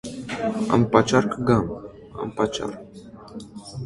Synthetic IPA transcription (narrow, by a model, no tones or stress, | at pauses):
ɑ̰mpat͡ʃɑɾkɡɑm | ɑ̰mpɑt͡ʃa̰rk